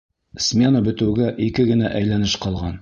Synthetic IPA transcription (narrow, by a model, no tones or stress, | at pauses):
smʲe̞nəbɘ̆t̪ɘ̆wɡæʔikɘɡɘ̆næʔæjlænɘʃqɑlˠʁɑn